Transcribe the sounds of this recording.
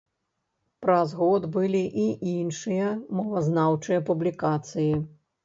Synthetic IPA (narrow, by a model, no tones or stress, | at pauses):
pɾɐzɣɔd̪bɨlʲiʔiʔinʂɨjɐmɔvɐznawt͡ʂɨjɐpublʲikat̪sɨji